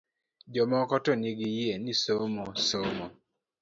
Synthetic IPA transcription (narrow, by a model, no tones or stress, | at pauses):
d͡ʒɔmɔkɔtɔniɡijienisomosomɔ